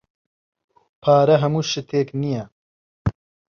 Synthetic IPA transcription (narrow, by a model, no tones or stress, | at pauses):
pʰaːɾɐɦɐmuːʃɪt̪ʰeːknijɛ